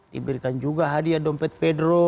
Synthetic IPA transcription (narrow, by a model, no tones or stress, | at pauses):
dḭbiɾikand͡ʒuɡaɦadiadɔmpɛt̪̚pɛdɾɔ